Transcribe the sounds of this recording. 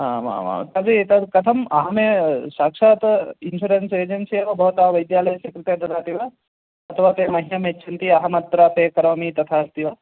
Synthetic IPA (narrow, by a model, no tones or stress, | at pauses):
ɦãːʋa̰ːʋa̰t̪ɐbit̪ɐd̪kɐt̪ʰɐmɐɦɐmeʃaːkʂaːt̪inʃuːɾenseːd͡ʒensiɐkɐbɐɦut̪ɐɦɐʋɐjd̪jaːlɐjɐsɐkɾit̪ed̪ɐd̪aːt̪iʋa | ɐt̪ʰɐʋaːt̪eːmɐɦijɐmet͡ʃʰint̪iɐɦɐmɐt̪̚pɾaːpeːkɐɾoːmit̪ɐt̪ʰaːst̪iʋa